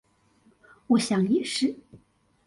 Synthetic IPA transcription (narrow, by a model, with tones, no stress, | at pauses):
wɔ˨˧˥ɕjɑ˨˩ŋi˨˩ʂɻ̩˥